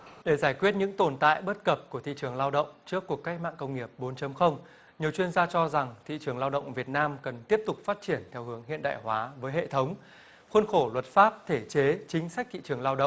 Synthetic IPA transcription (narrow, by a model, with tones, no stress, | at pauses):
ɗe˧˩zaː˧˩jkwi˦˥ət̚ɲɨ̰˧˥ŋt̪o˧˩nt̪a̰ː˧˨jɓə˦˥t̚kə˨˩p̚ku˧˩ət̪ʰḭ˧˨t͡ɕɨ˨˩əŋlaː˧wɗə̰˧˨wŋ͡mt͡ɕɨ˦˥əkːu˨˩əkːa˦˥jk̚ma̰ː˧˨nkə˧wŋ͡mŋi˨˩əp̚ɓo˨˦nt͡ɕə˨˦mxə˧wŋ͡m | ɲi˨˩əwt͡ɕwi˧ənzaː˧t͡ɕɔ˧za˨˩ŋt̪ʰḭ˧˨t͡ɕɨ˨˩əŋlaː˧wɗə̰˧˨wŋ͡mvi˨˩ət̚naː˧mkə˨˩nt̪i˦˥əp̚t̪ʊ˨˩k͡p̚faː˦˥t̚t͡ɕi˧˩ənt̪ʰɛ˧wɦɨ˨˦əŋɦḭ˧˨ənɗa̰ː˧˨jhwaː˨˦vəː˨˦jɦḛ˧˨t̪ʰə˨˦wŋ͡m | xwə˧nxo˧˩lwə˨˩t̚faː˦˥p̚t̪ʰe˧˩t͡ɕe˨˦t͡ɕï˨˦ŋ̟sa˦˥k̚t̪ʰḭ˧˨t͡ɕɨ˨˩əŋlaː˧wɗə̰˧˨ŋ͡m